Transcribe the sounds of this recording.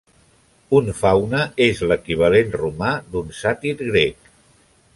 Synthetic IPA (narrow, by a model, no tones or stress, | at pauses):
unfawnəezləkiβ̞əlenrumad̪unsat̪iɾɣɾek